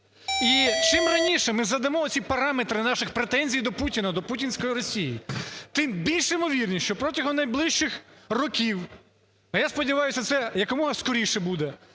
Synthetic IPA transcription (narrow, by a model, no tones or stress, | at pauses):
it͡ʃɪmrɐnʲiʃɛmɪzɐd̪ɐmɔɔsʲipɐɾɑmet̪ɾɪnɑʃɪxpɾet̪ɛnʲzʲijd̪ɔputʲinɐd̪ɔputʲinʲsʲkɔjiɾɔsʲijit̪ɪmbʲilʲʃɪmɔʋʲirnʲiʃt͡ʃɔpɾɔtʲɐɦɔmnɐjblˠɪʃt͡ʃɪxrɔkʲiw | ɐjaspɔdʲiʋɑjʊsʲɐt̪sɛjɐkɔmɔɦɐskɔɾʲiʃɛbud̪ɛ